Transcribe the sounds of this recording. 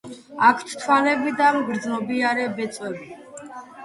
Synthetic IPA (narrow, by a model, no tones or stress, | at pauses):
akʰt̪ʰt̪ʰwanɛbid̪amɡɾd̪znɔbiaɾɛbɛt̪sʼwɛbi